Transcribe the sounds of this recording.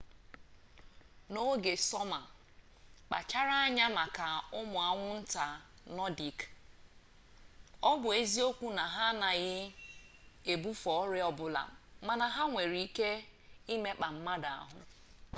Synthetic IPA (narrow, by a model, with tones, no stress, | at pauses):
no˦ɡe˨sɔ˦ma˨ | k͡pa̰˨t͡ʃa˦ɾa˦a˦ɲa˦ma˨ka˨ʊ˦mʊ˨a˨ŋʷʊ˦n̩˦ta˨ | nɔ˦di˨k | ɔ˦bʊ˨e˦zi˦o˦kʷu˦na˨ɦa˦na˨ɣɪ˦ | e˨bu˦fɔ˨ɔ˦ɾɪ˦ɔ˦bʊ˨la̰˨ma˨na˨ɦa˦ŋʷe˨ɾi˨i˦ke˦i˦me˦k͡pa˨m̩˦ma˦da˨a̰˦ɦʊ̰˦